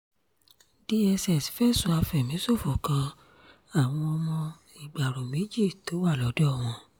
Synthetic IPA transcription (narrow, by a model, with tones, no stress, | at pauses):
d̥i˦ɛ˧sɛ˦˨si̥˨fɛ˦˨sũ˨˦a˧fɛ˨mĩ˨˦so˦˨fɔ˨kã˧ | a˨w̃ɔ̃˧ɔ˧mɔ̃˧ | i˨ɡ͡ba˨ɾo˨mĩ˨˦d͡ʒi˦˨to˨˦wa˦˨lɔ˨˦dɔ˦˨w̃ɔ̃˧